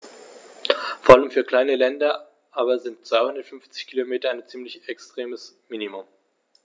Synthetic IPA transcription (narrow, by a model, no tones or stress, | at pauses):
foːɐʔaləmfyːɐkl̥aɪnəlɛndɐ | ʔaːbɐzɪnt̚t͡sv̥aɪhʊndɐtfʏnft͡sɪ̥çkʰilomeːtɐaɪnt͡siːmlɪçɛkstʁ̥eːməsmiːnimʊm